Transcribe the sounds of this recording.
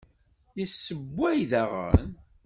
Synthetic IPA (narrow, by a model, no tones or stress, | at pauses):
jəsːəbʷːæjðæʁə̰n